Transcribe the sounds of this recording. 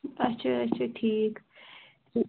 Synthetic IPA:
ɐtːʃʰaɐtːt͡ʃʰaʈʰiːk

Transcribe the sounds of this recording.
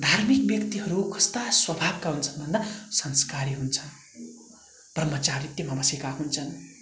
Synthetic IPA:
d̪ʱarmik̚bjʌkt̪iɦʌɾukʰʌst̪aswʌbʱab̚kaunt͡sʰʌnbʱʌnːasʌnskaɾiɦunt͡sʰʌn | b̥ʱrʌmːʌt͡sarrit̪jʌmabʱʌsjikaɦunt͡sʰʌn

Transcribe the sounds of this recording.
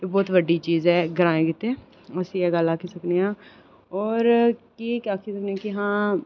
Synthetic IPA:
bɔːt̪ʋəɖiːt͡ʃiːzɛːɡəɾaːẽːkɪt̪eː | əsiːɛːɡəlaːkʰiːsəkneːãː | ɔːɾkiːkaːkʰiːsəkneaːkɪɦãː

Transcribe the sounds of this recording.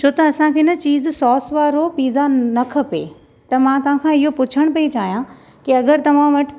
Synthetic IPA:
t͡ɕʰoːt̪ɐɐsãkʰeːɪnət͡ɕiːzsɔːsʋaːɾopiːzanɐkʰɐpḛ | t̪ɐmãt̪ɐʋ̤ãkʰãɪɦopʊt͡ɕʰəɽ̃pɐit͡ɕaːɦijã | kiɐɡəɾt̪ɐʋ̤ãʋɐʈʰ

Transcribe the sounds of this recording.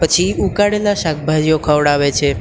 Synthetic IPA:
pət͡ʃʰiukaɽelaʃak̚bʱad͡ʒijokʰəʋɽaʋet͡ʃʰe

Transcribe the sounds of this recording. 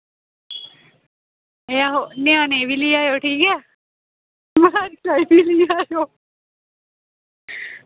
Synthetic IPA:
eaɦonɪãnebʱiliaːjoʈʰiːkɦɛ | maaɾsaibiliaːjo

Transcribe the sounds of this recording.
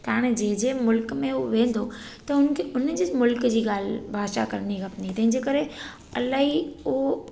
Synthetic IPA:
t̪aɽ̃d͡ʑeɦd͡ʑeːmʊlkmẽɦoʋẽːn̆d̪o | t̪ɐʊnkʰeʊnd͡ʑemʊlkd͡ʑiːɠaːl̤bʱaːʃa̰kɐɾñiɣɐpnit̪ɐ̃ɦɪ̃ɲd͡ʑeːkɐɾe | ɐlaːɦiʊo

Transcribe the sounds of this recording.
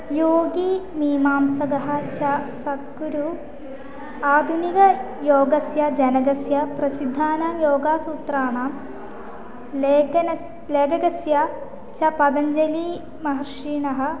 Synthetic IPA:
joːɡimiːmaːmsɐɡɐɦɐ̆t͡ʃɐsɐt̪kuɾu | aːd̪ʱuniɡɐ | joːɡɐsjɐd͡ʒɐnɐɡɐsjɐpɾɐsid̪ʱːaːnɐmjoːɡaːsuːt̪ɾaːɳaːm | leɡɐnɐ | leːɡɐɡɐsjɐ | t͡ʃɐpɐd̪ɐɲd͡ʒɐli | mɐɦɐɾʂiːɳɐɦɐ̆

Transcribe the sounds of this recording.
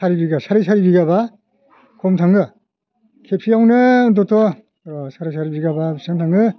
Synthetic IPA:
saɾibiɡasaɾɯsaɾibiɡaba | kʰɔmtʰaŋɯ | kʰepʰiawnɯdɔtʰɔ | ɾɔsaɾas̬ʰaɾibiɡababisantʰaŋɯ

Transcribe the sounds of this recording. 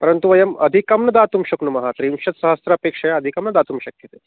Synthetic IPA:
pɐɾənt̪uʋɐjɐmɐd̪ʱikɐmnɐd̪at̪umɕɐknumɐɦat̪ɾimɕɐt̪sɐɦɐst̪ɾɐpekʂɐjaɐd̪ʱikɐmnɐd̪aːt̪umɕɐkjɐt̪e

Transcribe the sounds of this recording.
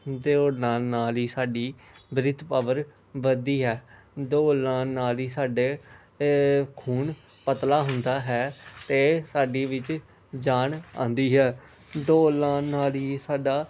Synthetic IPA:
d̪oːnaːlnaːliːsaːɖiː | bɾɪt̪pəʋəɾ | ʋəd̪iːɦɛː | d̪oːlãːnaːliːsaːɖeː | kʰuːɳ | pət̪laːɦʊnd̪aːɦɛːt̪eːsaːɖiːʋɪt͡ʃ | d͡ʒaːɳã̰ːnd̪iːɦɛː | d̪oːlãːnaːliːsaːɖaː

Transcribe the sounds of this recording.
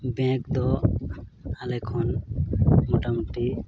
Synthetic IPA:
bɛ̃kd̪ɔ | alɛkʰɔn | mɔʈamuʈi

